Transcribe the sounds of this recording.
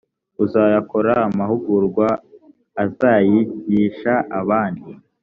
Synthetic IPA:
uzajakoɾaːmahuɡuɾɡwaː | zaːjiɟiːʃaʔaβaːndi

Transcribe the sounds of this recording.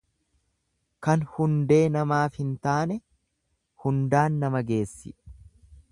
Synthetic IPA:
kɐnhʊnd̪e̞ːnɐmaːfhɪnt̪aːnɛ | hʊnd̪aːnːɐmɐɡe̞ːsːɪᶑ

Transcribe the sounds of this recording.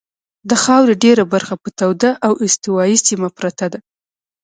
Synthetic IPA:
d̪əxɑwɾeɖeɾabaɾxapət̪awd̪aʔawɪst̪ɪwɑjisimapɾat̪ad̪a

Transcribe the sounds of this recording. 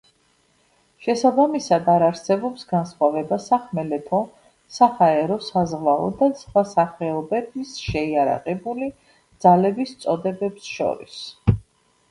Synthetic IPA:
ʃɛsabamisad̪aɾaɾsɛbɔpsɡansχwavɛbasaχmɛlɛt̪ʰɔ | sahaɛɾɔsazʁlaɔ̰d̪asvwasaχɛɔbɛt̪ʰisʃɛiaɾa̰qɛbuli | d̪z̥alɛbist̪sʼɔd̪ɛbɛpsʃɔ̰ɾḭs

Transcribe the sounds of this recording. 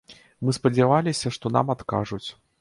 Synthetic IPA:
mɨspɐd͡zʲavalʲisʲɐʂt̪ɔna̰mat̪ka̰ʐut͡sʲ

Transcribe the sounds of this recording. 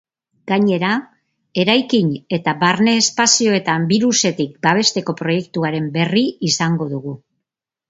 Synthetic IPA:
ɡ̥aɲe̞ɾa | e̞ɾajkiɲe̞t̪aβaɾne̞ːspasio̞e̞t̪ambiɾuse̞t̪ik̚baβ̞e̞st̪e̞ko̞pɾo̞je̞kt̪uaɾe̞mbe̞riisaŋɡo̞ðuɣ̞u

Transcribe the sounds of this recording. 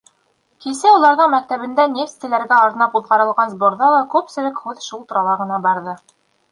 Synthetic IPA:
kisɘulˠɑɾðɤɴmæk̚t̪æβɘ̆nd̪ænʲeft̪ɘ̆læɾɡæɑɾɤnɑpuðʁɑɾɤ̆lˠʁɑnzboɾðɑlˠɑkʉpsɘ̆lɘkhʉðʃulˠt̪ɤ̆ɾɑlˠɑʁɤ̆nɑbɑɾðɤ

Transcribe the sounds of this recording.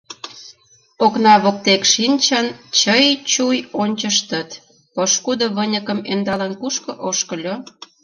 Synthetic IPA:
oknɑβok̚t̪ekʃinʲt͡ɕənt͡ɕəjt͡ɕujonʲt͡ɕəʃ̬t̪ə̆t̪ | poʃkud̪ŏβənʲəkə̆mend̪ɑlənkuʃkɤ̆ʔoʃkə̆lʲo

